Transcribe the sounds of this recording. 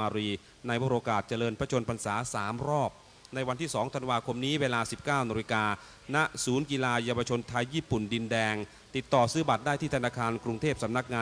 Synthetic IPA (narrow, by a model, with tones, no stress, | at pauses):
aː˧ɾiː˧ | na˧jbɔ˧ɾʔoː˧kaː˨˩t̪̚t͡ɕa˧lɤː˧npʰɾa˦˥t͡ɕʰo˧npʰa˧nsaː˩˦saː˩˦mɾɔː˥˩p̚ | na˧jwa˧nt̪ʰiː˥˩sɔː˩˦ŋt̪ʰa˧nwaː˧kʰo˧mniː˦˥weː˧laː˧si˨˩p̚kaː˥˩wna˧ɾi˧kaː˧ | na˦˥ʔsuː˩˦nki˧laː˧ja˧wa˧t͡ɕʰo˧nt̪ʰa˧jːiː˥˩pu˨˩ndi˧ndɛː˧ŋ | t̪i˨˩t̪ːɔː˨˩sɯː˦˥ba˨˩t̪̚daː˥˩jt̪ʰiː˥˩t̪ʰnaː˧kʰaː˧nkɾu˧ŋt̪ʰeː˥˩p̚sa˩˦mna˦˥k̚ŋaː˧